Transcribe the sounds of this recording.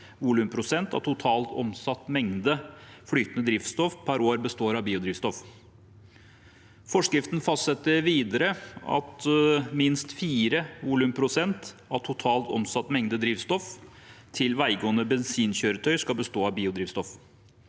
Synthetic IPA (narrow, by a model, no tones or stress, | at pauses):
ʋʊlʉːmpʰɾʊsɛnt̪ɑ̰ʋt̪ʰʊt̪ʰɑːlt̪ɔ̰msɑt̪ːmɛŋd̪əfɽyːt̪nəd̪ɾɪft̪st̪ɔfpʰæɾoːɾbəst̪oːɾɑʋbiːʊd̪ɾiːʋst̪ɔf | fɔʂkɾɪft̪n̩fɑst̪sɛt̪ːəɾʋiːd̪əɾəɑ̰t̪mɪnst̪fiːɾəʋʊlʉmpʰɾʊsɛnt̪ | ɑʋt̪ʰʊt̪ʰɑːlt̪ɔ̰msɑt̪ːmɛŋd̪əd̪ɾiːʋst̪ɔf | t̪ʰɪlʋæɪɡɔːənəbɛnsiːnçøːɾət̪ʰœʏskɑbəst̪oːɑbiːʊd̪ɾiːʋst̪ɔf